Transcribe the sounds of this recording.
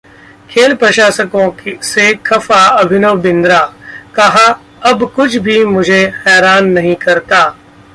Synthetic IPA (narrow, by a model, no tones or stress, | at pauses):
kʰeːlpɾɐʃaːsəkõksekʰɐfaɐbʱɪnoːbɪ̃nd̪ɾaːkɐɦa | ɐbkʊt͡ʃʰbʱimʊd͡ʒʱehɛːɾaːnːɐɦĩkɐɾt̪aː